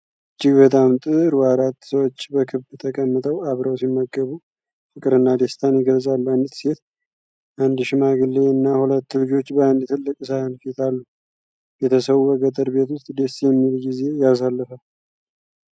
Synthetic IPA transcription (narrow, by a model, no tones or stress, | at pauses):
ɨd͡ʒːɪɡbət̪ʼamt̪ʼɨɾwaɾat̪ːsəwot͡ʃːbəkʰɨβbt̪ʰəkʼəmːɨt̪ʼəwaβɾəwsimːəɡːəβu | fɨkʼɨɾɨnːad̪est̪ʰanjɪɡəlzʼalːanɨt̪ʼse̞t̪ | ʔand̪ʃɪmaɡɨlːeɨnːahulət̪ːlɨd͡ʒo̞t͡ʃːbəand̪t̪ʰɨlːɨkʼsahɨnfit̪ʰalːu | bɛt̪ʰəsəβuəɡət̪ʼəɾbe̞t̪wʊst̪ʼd̪esjɛmːilɡize̞jas̬alːəfəl